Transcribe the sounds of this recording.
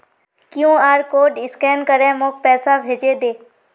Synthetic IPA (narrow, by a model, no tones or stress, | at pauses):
kjũːaːɾkoːɖɪskɛːnkəɾẽmoːk̚pɛːsabʱeːd͡ʒed̪eː